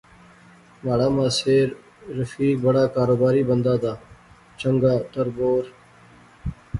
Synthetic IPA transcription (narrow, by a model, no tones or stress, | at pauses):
maːɽaːmaːseːɾː | əfiːk̚bəɽaːkaːɾoːbaːɾiːbənd̪aːd̪aː | t͡ʃəŋɡaːt̪əɾboːɾ